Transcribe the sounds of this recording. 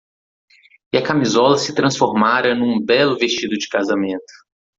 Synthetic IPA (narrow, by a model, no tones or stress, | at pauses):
iɐkamizɔlɐsɪt̪ɾɐ̃sfoɾmaɾɐnũbɛlʊvest͡ʃid̪ʊd͡ʒɪkazamẽnt̪ʊ̥